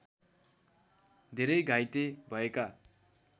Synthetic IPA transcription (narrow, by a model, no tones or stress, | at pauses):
d̪ʱeɾʌjɡʱajt̪ebʱʌeka